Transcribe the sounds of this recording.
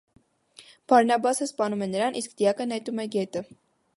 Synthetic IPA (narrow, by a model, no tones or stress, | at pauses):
b̥ɑɾnɑbɑsəspɑnumɛnəɾɑnʔiskd̪ijɑkənɛt̪umɛɡɛt̪ə